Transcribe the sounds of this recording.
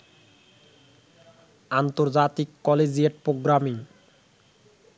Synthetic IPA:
ant̪oɾd͡ʑat̪ikːɔled͡ʑieʈ̚pɾoɡɾamiŋ

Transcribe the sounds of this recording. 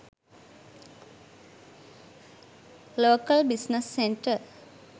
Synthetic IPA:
loːkəlbisnəsːeɳʈə

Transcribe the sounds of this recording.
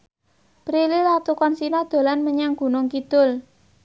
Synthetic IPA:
pɾililat̪ukɔnsinɔd̪̥o̤lanməɲaŋɡ̥ṳnʊŋkid̪̥ʊ̤l

